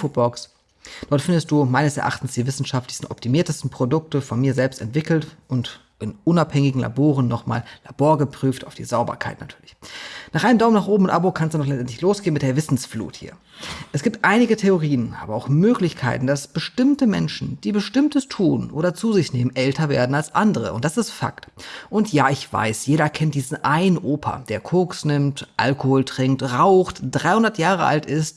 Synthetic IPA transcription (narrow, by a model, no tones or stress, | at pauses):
fobɔks | d̥ɔɐtfɪndəst̚d̥uːmaɪnəsɛɐʔa̰χtn̩sd̥iːvɪsn̩ʃaftlɪçstn̩ʔɔ̰p̚tʰimiːɐtəstn̩pʁ̥odʊk̚təfɔnmiːɐzɛlpstɛntv̥ɪkl̩tʔʊnt | ʔɪnʔʊnaphɛŋɪɡŋ̩la̰boːʁənːɔχma̰ːllaboːɐɡəpʁ̥yːftaʊd̥ḭːzaʊbɐ̰kʰa̰ɪtnatʰyːɐlɪçnaːχʔaɪnəmdaʊmnaːχʔoːbm̩ʊntʔabokʰanstdunɔχlɛt͡stʔɛntlɪçloːsɡ̥eːənmɪt̚d̥eːɐvɪsn̩sflṵːthḭːɐ | ʔɛsɡ̥iːp̚tʔaɪnɪɡətʰeoʁ̞iːənʔa̰ːbɐaʊxmøːklɪçkʰa̰ɪtn̩d̥asb̥əʃtɪmtəmɛ̰nʃn̩d̥iːbəʃtɪmtəstʰuːnʔo̰ːɾɐt͡suːzɪçneːmənʔɛltɐvḛːɐdn̩alsʔandəʁə̰ʊntd̥asɪstfa̰ktʔʊntjaːɪçv̥a̰ɪsjeːɾɐkʰɛntd̥iːzn̩ʔaɪnənʔoːpʰɐ̰d̥eːɐkʰoksnɪmtʔa̰lkohoːltʁ̥ɪŋk̚tʁaʊxtd̥ʁaɪhʊndɐtjaːʁəʔa̰ltɪst̚